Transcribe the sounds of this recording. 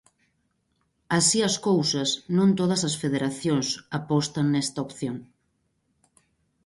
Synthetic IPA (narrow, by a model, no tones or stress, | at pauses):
asiɐskowsɐsnõnt̪oð̞ɐsɐsfeðeɾaθjoŋsapɔst̪aŋnɛst̪ɐopθjoŋ